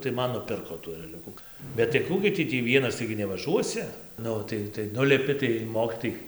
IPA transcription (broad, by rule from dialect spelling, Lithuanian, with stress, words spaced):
tɐɪ ˈmɐn nʊˈpʲɪrkoː tuː ɛrʲɛˈlʲʊkʊ bʲɛt tɐɪ ˈkuː ɡʲɪ ˈtʲiː tʲiː ˈʋʲiɛnɐs ˈtɐɪɡʲɪ nʲɛʋɐˈʒuɔsʲɪ ˈnʊ tɐɪ tɐɪ ˈnʊlʲɪpʲɪ tɐɪ ˈmoːkʲɪtoːjɛɪ